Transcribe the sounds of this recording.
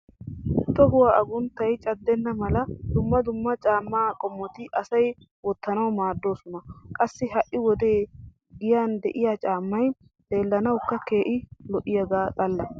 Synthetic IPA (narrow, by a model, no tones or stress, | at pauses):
t̪ːɔbʊwaːʔɐɡʊnt̪ːɐjt͡ʃʼɐd̪ːɛnːɐmɐlɐd̪ʊmːɐd̪ʊmːɐt͡ʃʼaːmːaːkʼɔmːɔt̪ɪʔɐsɐj | wɔt̪ːɐnɐwmaːd̪ːo̞ːsɔnɐkʼɐsːɪɦɐʔɪwɔd̪e̞ː | ɡɪjaːnd̪ɛʔɪjaːt͡ʃʼaːmːɐj | d̪̥e̞ːlːɐnɐwkːɐke̞ːʔɪlɔʔɪjɐɡaːt̪ʼɐlːɐ